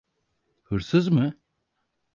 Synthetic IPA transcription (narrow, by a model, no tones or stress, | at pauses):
hɯɾsɯzmɯ